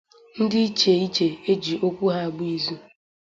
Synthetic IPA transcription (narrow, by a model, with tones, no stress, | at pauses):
n̩˦dɪ˦i˦t͡ʃe˨i˦t͡ʃe˨e˦d͡ʒi˨ʔo˦kʷu˦ɦa˦a˨ɡ͡bu˦i˦zu˦